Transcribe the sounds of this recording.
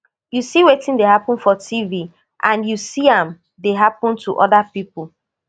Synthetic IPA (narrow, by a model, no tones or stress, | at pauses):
jusiwetĩndehapɔ̃nfɔtʰivi | ʔãnjusiãm | deɦapɔ̃ntʰuʔɔdapipu